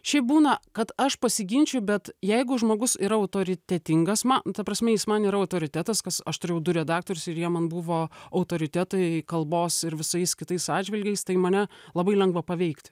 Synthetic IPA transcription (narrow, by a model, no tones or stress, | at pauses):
ʃʲɛɪp̚buːnɐkɐt̪ɐʃpɐsʲɪɡʲɪnʲt͡ʃʲʊbʲɛt̪jɛɪɡʊʒmoːɡʊsiːɾɐɐʊt̪oːɾʲɪt̪ʲɛt̪ʲɪŋɡɐsmɐnt̪ɐpɾɐsʲmʲɛjɪsmɐniːɾɐɐʊt̪oːɾʲɪt̪ʲæt̪ɐskɐsɐʃt̪ʊɾʲɛʊd̪ʊɾʲɛd̪ɑːk̚t̪oːɾʲʊsɪɾjiɛmɐnbuʋoːɐʊt̪oːɾʲɪt̪ʲæt̪ɐɪkɐlˠboːsɪɾʋʲɪsɐɪskʲɪt̪ɐɪsɑːdʲd͡ʒʲʋʲɪlʲɡʲɛɪst̪ɐɪmɐnʲɛlˠɐbɐɪlʲɛŋɡʋɐpɐʋʲɛɪkt̪ʲ